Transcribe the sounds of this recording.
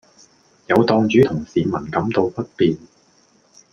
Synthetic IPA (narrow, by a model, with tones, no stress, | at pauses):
jɐ˨˧wt̪ɔː˧ŋt͡ʃyː˨˥t̪ʰʊ˨˩ŋsiː˨mɐ˨˩nkɐ˨˥mt̪o˧wpɐ˥t̚piː˨˧n